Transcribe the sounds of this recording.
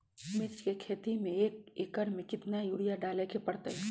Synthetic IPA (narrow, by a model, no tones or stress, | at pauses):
mɪt͡ʃkekʰeːt̪imẽeːkekəɾmẽkɪt̪najuɽijaɖaːlekepəɽt̪eɦɛ